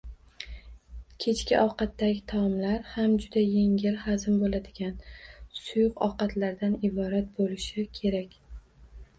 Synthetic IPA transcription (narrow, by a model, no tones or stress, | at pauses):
kʲʰe̞t͡ʃkʲɪʔɒwqɑt̪ːaɡʲɪt̪ʰɒmlaɾhamd͡ʒʊd̪ajeŋʲɪlhazɪmbolad̪ɪɡʲansʊjʊqɒ̰qɑt̪ʰlaɾd̪anɪbɒɾat̪̚bolɪʃɪkʲʰe̞ɾakʲ